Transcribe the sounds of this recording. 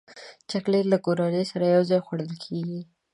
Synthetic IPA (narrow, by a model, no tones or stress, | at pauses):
t͡ʃaklelakoɾɑlejsaɾajawzɑjxwaɽəlkʰeɡi